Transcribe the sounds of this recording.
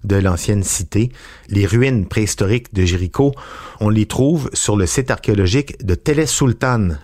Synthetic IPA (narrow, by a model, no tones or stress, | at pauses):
d̪əlɑ̃sjɛnsit̪e | leʁyinpχeist̪ɔʁɪkd̪əʒiʁikʰoɔ̃let̪χuːvsyʁləsɪt̪aʁ̥kʲeɔlɔʒɪkd̪ət̪elɛsylt̪an